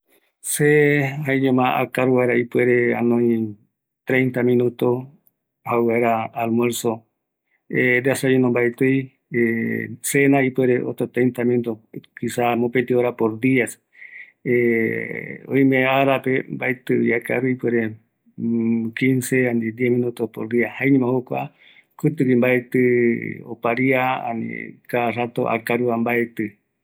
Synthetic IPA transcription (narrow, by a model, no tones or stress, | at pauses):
sehaiɲẽmãa̰kaɾuβaeɾaipweɾea̰nõĩ | t̪ɾejnt̪amĩnũt̪o | hawaeɾaːlmweɾso | ed̪easainõmbaet̪ɨj | esenaipweɾeʔo̰t̪at̪ɾejnt̪amĩnut̪okisamopet̪ioɾapoɾd̪ias | e | o̰ĩmẽaɾapembaet̪ɨiaka̰ɾuipweɾe | kinseanid̪iehmĩnut̪opoɾd̪iahaeɲĩmãhokʷa̰ | kɨt̪ɨkimbaet̪ɨo̰paɾiaa̰nḭkarat̪o̰ʔa̰kaɾuambaet̪ɨ